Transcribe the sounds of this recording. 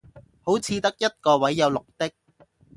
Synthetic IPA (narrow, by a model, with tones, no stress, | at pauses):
ho˨˥wt͡sʰiː˧t̪ɐ˥k̚jɐ˥t̪̚kɔː˧wɐ˨˥jːɐ˨˧wlʊ˨k̚t̪ɪ˥k̚